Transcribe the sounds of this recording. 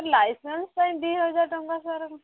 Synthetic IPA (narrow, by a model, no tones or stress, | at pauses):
ɾlajsənstãĩb̪iɦəd͡zaɾʈəŋɡasaɾm